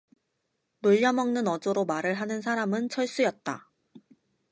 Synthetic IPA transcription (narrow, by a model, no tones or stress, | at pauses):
noʎːʌmʌŋnɯnʌd͡ʑoɾomaɾɯɭɦanɯns̬ʰaɾamɯnt͡ɕʰʌɭs͈ujʌt̚t͈a̰